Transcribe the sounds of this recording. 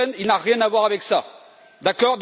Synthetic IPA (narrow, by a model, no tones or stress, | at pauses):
ɛ̃nilnaʁjɛ̃navwaʁavɛksa | d̪akɔʁd̪